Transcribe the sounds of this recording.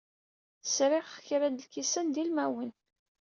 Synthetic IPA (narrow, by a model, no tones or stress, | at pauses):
θə̥sɾɪʁχçɾæd̪əlkisænd̪ilmæwən